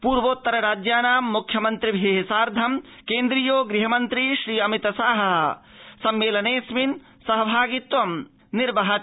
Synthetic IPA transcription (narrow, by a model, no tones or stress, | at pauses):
puːɾʋoːt̪ːɐɾɐɾaːd͡ʒjaːnaːmːukʰːjɐmɐnt̪ɾibʱeːɦsaːɾd̪ʱɐmkẽːnd̪ɾijoːɡɾiɦɐmɐnt̪ɾiʃɾiːɐmit̪ɐsaːɦɐɦ | sɐmːeːlɐneːsmin | sɐɦɐbʱaːɡit̪ʋɐm | nɪɾbɐɦɐ